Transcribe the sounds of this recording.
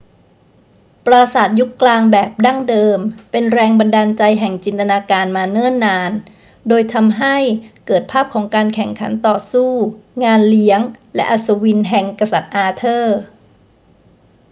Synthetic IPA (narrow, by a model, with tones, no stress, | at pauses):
pɾaː˧saː˨˩t̪̚ju˦˥kːlaː˧ŋbɛː˨˩p̚da˥˩ŋdɤː˧mpe˧nɾɛː˧ŋba˧ndaː˧nt͡ɕa˧jɦɛ˨˩ŋt͡ɕi˧nt̪a˧naː˧kaː˧nmaː˧nɛː˥˩nːaː˧n | doː˧jt̪ʰa˧mɦa˥˩jkɤː˨˩t̪̚pʰaː˥˩p̚kʰɔː˩˦ŋkaː˧nkʰɛ˨˩ŋkʰa̰˩˦nt̪ɔː˨˩suː˥˩ŋaː˧nli˨˦əŋlɛ̰˦˥ʔa˧sa˧wi˧nɦɛ˨˩ŋka˧sa˨˩t̪̚ʔaː˧t̪ʰɤː˥˩